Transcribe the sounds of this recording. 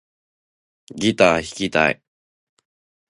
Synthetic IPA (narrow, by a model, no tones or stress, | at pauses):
ɡʲit̪aːçi̥kʲit̪a̰ḭ